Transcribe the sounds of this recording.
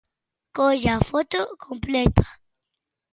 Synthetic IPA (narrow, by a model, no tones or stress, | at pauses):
kod͡ʒafot̪okʰõmplet̪ḁ